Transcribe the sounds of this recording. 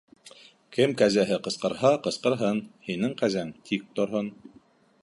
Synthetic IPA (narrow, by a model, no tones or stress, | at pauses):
kɘmkæzæɦɘqɤ̆sqɤ̆ɾhɑqɤ̆sqɤ̆ɾɦɤnhinɘŋqæzæŋt̪ʰik̚t̪ŏɾɦon